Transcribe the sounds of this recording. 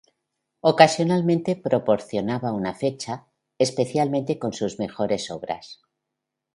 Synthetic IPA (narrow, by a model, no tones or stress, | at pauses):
o̞kasjo̞nalmẽ̞nt̪e̞pɾo̞po̞ɾθjo̞naβaunafe̞t͡ʃa | espe̞θjalmẽ̞nt̪e̞ko̞nsuzme̞xo̞ɾe̞so̞βɾa̰s